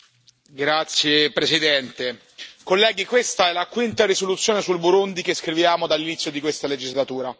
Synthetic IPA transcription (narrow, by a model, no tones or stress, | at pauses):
ɡɾat̪sːjepɾesid̪ɛnt̪e | kolːɛːɡikwest̪aɛlakwint̪arɾisolut̪sjoːnesulbuɾund̪ikeskɾivjaːmod̪alːinit̪sjod̪ikwest̪aled͡ʒizlat̪uːɾa